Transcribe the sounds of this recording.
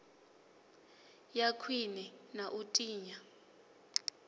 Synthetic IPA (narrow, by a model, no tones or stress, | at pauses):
jakʰwinɛnaʔutʼiːɲa